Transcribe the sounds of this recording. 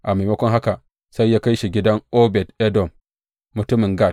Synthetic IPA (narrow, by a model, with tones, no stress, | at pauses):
ʔa˨ma˨mɐ˦kʷɔ˦ŋɦa˦ka˨ | sa˦jːaː˦ka˦jʃi˨ɡʲɪ˦dɐ˦ŋʔo˦bɛ˨tɛ˦dɔ˨mː | ʊ˨tʊ˦mɪ˨ŋɡa˦˨t̚